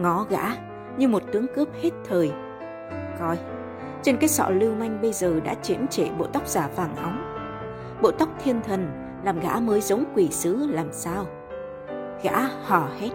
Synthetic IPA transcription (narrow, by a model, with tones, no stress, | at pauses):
ŋɔ˨˦ɣa̰ː˧˥ | ɲɨ˧mo˨˩t̚t̪ɨ˨˦əŋkɨ˦˥əp̚he˦˥t̚t̪ʰəː˨˩j | kɔ˧j | t͡ɕe˧nkaː˨˦jsɔ̰˧˨lɨ˧wma˧jŋ̟ɓə˧jzəː˨˩ɗa̰ː˧˥t͡ɕi˨˦ənt͡ɕe˧˩ɓo̰˧˨t̪a˦˥wk͡p̚z̥aː˧˩faː˨˩ŋʔə˨˦wŋ͡m | ɓo̰˧˨t̪a˦˥wk͡p̚t̪ʰi˧ənt̪ʰə˨˩n | laː˨˩mɣa̰ː˧˥məː˨˦jzə˨˦wŋ͡mkwi˧˩sɨ˨˦laː˨˩msaː˧w | ɣa̰ː˧˥hɔ˧˩he˦˥t̚